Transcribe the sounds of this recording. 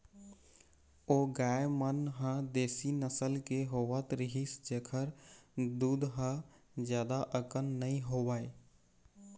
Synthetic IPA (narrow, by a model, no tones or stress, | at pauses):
oːɡaːjmənɦə̃d̪eːsinəsəlkeɦoːʋət̪ɾɪɦisd͡ʒeːkʰəɾd̪uːd̪ɦə̃ | d͡ʒjaːd̪aʔəkənːəĩɦoːʋaːe